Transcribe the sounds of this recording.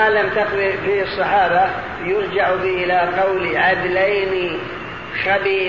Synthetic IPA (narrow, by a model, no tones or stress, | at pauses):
alamt̪aqwifiɨsˤːɑħɑːba | jʊɾd͡ʒaʕbɪʔɪlaqɑwliʕad̪lajni | xabiː